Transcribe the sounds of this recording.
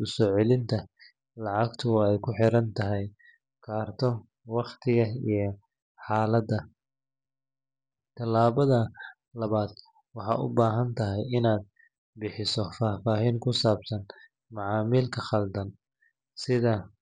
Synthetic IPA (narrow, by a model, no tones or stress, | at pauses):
ʔʊsɔːʕɛlɪnt̪ʰɐ | lɑʕɑɡt̪ʰʊɛjkʰʊħɪɾɐnt̪ʰɐɦɛj | kʰaːrt̪ʰɔ | wɑχt̪ʰɪɣɐijɞ | ħɑːlɐd̪ɐ | t̪ʰɐlaːβɐðɐ | lɐβaːd̪ | wɑħɑ̰ːʔʊ̰baːɦɐnt̪ʰɐɦɛjɪnaːd̪̚ | bɪħɪsɔfaːfaːɦiːŋkʰʊsaːbsɐn | mɑʕɑːmiːlkʰɐχɐld̪ɐn | sɪðɐ